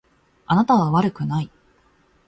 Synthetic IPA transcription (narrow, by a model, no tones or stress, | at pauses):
anat̪aβaβaɾɯ̟kɯ̟nai